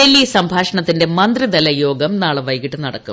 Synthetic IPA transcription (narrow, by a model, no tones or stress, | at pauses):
elːisɐmbʱaːʂɐɳɐt̪ːinde̞mɐnd̪rid̪ɐlɐjo̞ːɡɐmnaːɭɨʋɐjkiʈːɨnɐɽɐ̰kːṵm